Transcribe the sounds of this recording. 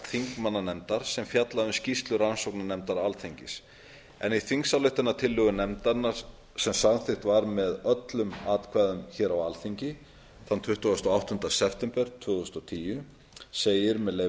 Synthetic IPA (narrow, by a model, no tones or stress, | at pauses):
θiŋkmanːanɛmt̪aɾ̥sɛmfjat̪laðʏmscist̪lʏɾansowknanɛmt̪aɾalθiɲcɪs | ɛ̰niθiŋksalʏht̪ɪnat̪ʰɪlːʏɣʏnɛmt̪anːaɾ̥ | sɛmsanθɪxt̪vaɾmɛðœt̪lʏmaːt̪kʰvaːðʏmçɛːɾawalθiɲcɪ | θant̪ʰvʏht̪uast̪ɔawht̪ʏntd̪asɛpʰt̪ɛmpɛɾ̥t̪ʰvʏːθʏst̪ɔt̪ʰiːjʏ | seːjɪɾmɛðle